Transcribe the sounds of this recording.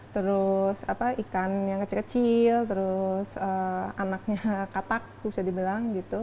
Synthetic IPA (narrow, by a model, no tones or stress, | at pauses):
t̪əɾʊsapaʔikanjaŋkət͡ʃɪlkət͡ʃɪlt̪əɾʊsəanak̚ɲakat̪ak̚bisadibilaŋɡit̪u